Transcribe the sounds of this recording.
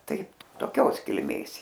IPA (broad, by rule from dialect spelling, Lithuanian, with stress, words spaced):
ˈtɐɪ toːˈkʲoːs kʲɪlʲˈmʲeːs ˈjiɛ